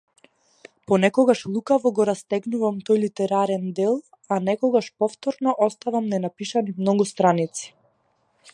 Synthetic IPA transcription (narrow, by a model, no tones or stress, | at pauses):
pɔnɛkɔɡaʃlˠukavɔɡɔɾast̪ɛɡnuvamt̪ɔjlit̪ɛɾaɾɛnd̪ɛlˠ | anɛkɔɡaʃpɔft̪ɔɾnɔʔɔst̪avamnɛnapiʃanimnɔɡust̪ɾanit̪si̥